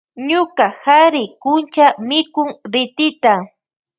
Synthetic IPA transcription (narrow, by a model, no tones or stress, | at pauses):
ɲʊkahaɾɪkʊnt͡ʃamɪkʊŋɾɪt̪ɪt̪a